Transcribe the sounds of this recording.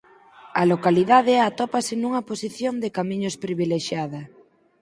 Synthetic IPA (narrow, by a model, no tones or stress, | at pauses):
ɐlokaliðað̞eat̪opasenuŋɐposiθjond̪ekamĩɲospɾiβ̞ileʃjað̞ɐ